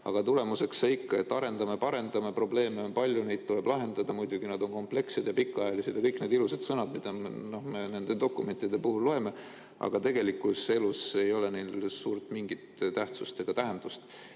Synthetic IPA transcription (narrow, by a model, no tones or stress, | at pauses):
ɑ̰ɡ̥ɑt̪ule̞muse̞kseikːɑe̞t̪ːɑɾe̞nd̪ɑmepɑɾe̞nd̪̥ɑmepro̞ble̞ːmeonpɑlʲjunejd̪̥̚t̪ueb̥lɑɦe̞nd̪̥ɑd̪̥ɑmujd̪̥uɡ̥inɑd̪o̞nko̞mple̞kse̞d̪̥jɑpikːˑɑjɑlise̞d̪̥jɑkɤjkned̪ilused̪̥sɤnɑd̪mid̪̥ɑno̞hme̞ne̞nd̪e̞d̪̥o̞kːˑume̞nʲt̪ːˑid̪e̞puhulːo̞e̞me̞ | ʔɑ̰ɡ̥ɑt̪e̞ɡ̥e̞likːulse̞luse̞jo̞le̞nelsuːɾt̪ˑmiŋɡ̥it̪t̪æht̪sust̪e̞ɡ̥ɑt̪æɦend̪̥ust̪